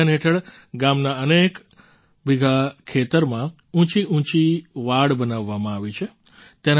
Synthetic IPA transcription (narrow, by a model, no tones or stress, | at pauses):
anɦeʈʰəɭ | ɡamnaənek | bʱiɡʱakʰet̪əɾmã | ũt͡ʃiʔũt͡ʃiʋaɽbənaʋːamãaʋit͡ʃʰe | t̪en